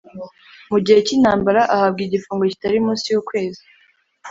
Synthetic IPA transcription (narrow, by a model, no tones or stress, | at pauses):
muɟihe̞cinaːmbaɾaʔahab̚ɡiɟifuːŋɡoci̥taɾimũːnsijuːkwe̞ːzi